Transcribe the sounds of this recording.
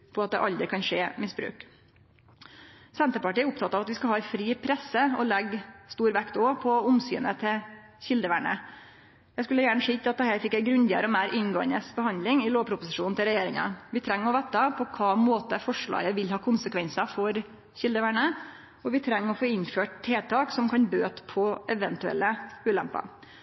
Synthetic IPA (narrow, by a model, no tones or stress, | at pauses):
pʰɔɑt̪̚d̪ɛ̰ʔɑld̪ɾəkʰɑnʂeːmɪsbɾʉ̰ːk | sɛnt̪əɾpɑʈiːæɾʊpt̪ʰɑt̪ːɑːʋɑt̪ʋɪskɑlhɑːfɾiːpʰɾɛsːəɔlɛɡst̪uːɾʋækt̪opʰɔʊmsy̰ːnət̪ʰɪ | çɪld̪əʋæːɳə̰ | jæɪskʉlːəjæːɳəʂiːt̪ʰɪɑt̪̚d̪ɛhæːɾfɪkːæɪɡɾʉnd̪ɪə̰ɾəɔmæɪɾʔɪnɡoːə̰nəsbəhɑnd̪lɪŋɪloːʋpʰɾʊpʊsɪʂuːnɪlɾɛjeːɾɪŋɑ̰ʋɪt̪ʰɾɛŋːɔʋɛt̪ːɑpʰɔkʰɑːmoːt̪əfɔʂɭɑ̰ːɡəʋɪlhɑːkʰʊnsəkʰʋɛnsəfɔɾ | çɪld̪əʋæːɳə | ɔʋɪt̪ʰɾɛŋːɔfoːɪnføːʈ̚t̪ʰːeːt̪ʰɑːksɔmkʰɑnbøːt̪pʰɔʔɛʋənt̪ʉɛ̰lːəʉːlɛ̰mpɑ̰